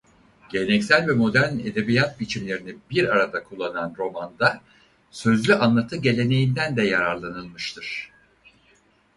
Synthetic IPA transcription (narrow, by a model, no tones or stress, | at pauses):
ɟ̥e̞lʲenɛcsælʲvɛmo̞d̪æɾned̪e̞bijat̪̚bit͡ʃʰimlʲe̞ɾinibiɾaɾad̪akʰulˠːananɾo̞mand̪a | sø̞zlʲyʔanlˠat̪ʰɯɟe̞lʲe̞ne̞jind̪ænd̪ɛjaɾaɾlˠanɯlˠmɯʃt̪ʰɯɾ̥